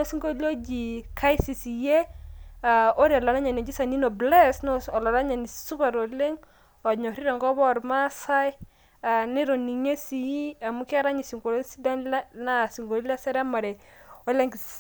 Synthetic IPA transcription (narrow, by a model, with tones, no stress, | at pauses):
ɔ˦si˦ŋɡo˦li˦o˦d͡ʒi˨kʰa˦jsi˨si˨jɛ˦a˨o˦ɾi˨a˨la˨na˦ɲa˨ni˨d͡ʒi˦sa˨ni˦nɔ˨blɛ˦sn˦ɔ˨la˨ɾa˦ɲa˨ni˨su˦pa˨ɾɔ˨le˦ŋ | ɔ˨ɲɔ˨ɾi˦ɾa˨ŋɡɔ˦bɔ˦˨ɾma˦sa˦j | a˨nɪ˦ɾɔ˨ni˨ɲe˦si˨ji˦a˨mu˦ki˦a˦ɾa˦ɲi˨si˨ŋɡo˨lo˦nsi˦da˦na˦si˨ŋɡo˨ɾi˦la˦sɛ˦ɾɛ˦ma˨ɾɛ˨ɔ˨˦le˦ŋɡ